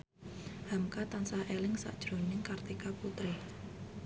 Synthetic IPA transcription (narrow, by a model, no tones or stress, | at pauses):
hamkat̪ansahʔelɪŋsa̰ʔd̥ʒ̥ɾo̤nɪŋkart̪ikaput̪ɾe